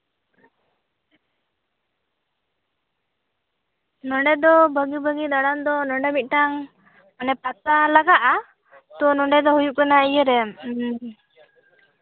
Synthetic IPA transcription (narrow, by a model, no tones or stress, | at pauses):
nɔɳɖɛd̪ɔbəɡibəɡid̪aɽand̪ɔnɔɳɖɛmit̪̚ˀʈaŋ | anɛpat̪alaɡaʔa | t̪ɔnɔɳɖɛd̪ɔɦujup̚kanaijəɾɛm